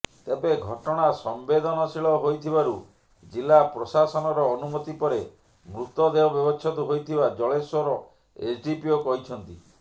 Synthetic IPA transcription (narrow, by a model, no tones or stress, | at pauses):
t̪ebeɡʱɔʈɔɽ̃asɔmbed̪ɔnɔsiɭɔɦojt̪ʰibaɾu | d͡ʒilapɾɔsasɔnɔɾɔːnumɔt̪ipɔɾe | mɾut̪ɔd̪eɔbjɔbɔt͡ʃʰɔt̪uɦojt̪ʰibad͡ʒɔɭeswɔɾɔ | esɖipiokɔɦit͡ʃʰɔnt̪i